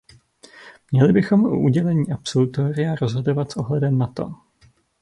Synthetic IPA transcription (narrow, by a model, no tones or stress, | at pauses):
mɲɛlɪbɪxo̞mʔṵʔuɟɛlɛɲiːʔapsolut̪oɾɪjaɾo̞zɦodo̞vat̪sʔo̞ɦlɛdɛmnat̪o̞̰